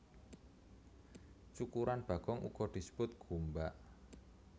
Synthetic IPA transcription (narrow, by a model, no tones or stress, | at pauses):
t͡ʃukuɾanb̥ä̤ɡ̥ɔŋʔṵɡ̥ɔ̤d̪̥i̤sə̥bʊt̪̚ɡ̥umbaʔ